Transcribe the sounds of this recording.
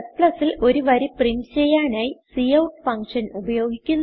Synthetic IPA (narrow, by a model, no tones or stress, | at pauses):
spɭɐsilo̞ɾuʋɐɾipriɳɖt͡ɕejːaːnaːjisiːɐwʈfɐŋkʂɐnubɐjo̞ːɡikʲːunː